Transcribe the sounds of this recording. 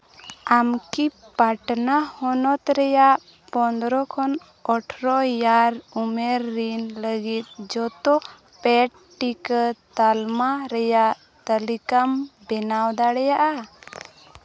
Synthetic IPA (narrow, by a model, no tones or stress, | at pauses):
amki | paʈnahɔnɔt̪ɾɛjaʔ | pɔnd̪ɾɔkʰɔn | ɔʈʰɾɔjaɾumeɾːinləɡit̪̚d͡ʒɔt̪ɔ | pɛʈ | ʈːikət̪almaɾɛjaʔ | t̪əlikambɛnawd̪aɽɛjaʔa